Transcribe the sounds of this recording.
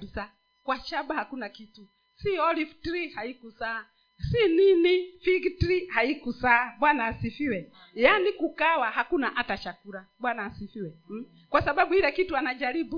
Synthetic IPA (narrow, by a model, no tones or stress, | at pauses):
bisa | kwat͡ʃabahakunakitu | siɔliftɾihaikusaa | sininifiɡtɾihaikusabwanaːsifiwɛ | janikukawahakunaʔatat͡ʃakuɾabwanaːsifiwɛ | kwasababuiɾɛkituanad͡ʒaɾibu